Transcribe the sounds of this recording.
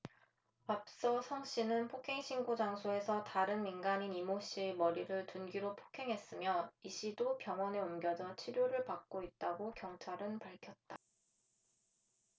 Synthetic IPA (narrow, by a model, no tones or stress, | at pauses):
ap̚s͈ʌsʰʌŋɕ͈inɯnpʰokʰe̞ŋɕʰinɡod͡ʑaŋsʰoe̞sʰʌtaɾɯnminɡaɲinimoɕ͈imʌɾiɾɯɭtunɡiɾopʰo̥kʰe̞ŋɦe̞s͈ɯmjʌiɕ͈ʰidopjʌŋwʌne̞omɡjʌd͡ʑʌt͡ɕʰiɾjoɾɯɭpak̚k͈oit̚t͈aɡokjʌŋt͡ɕʰaɾɯnpaɭkʰjʌt̚t͈a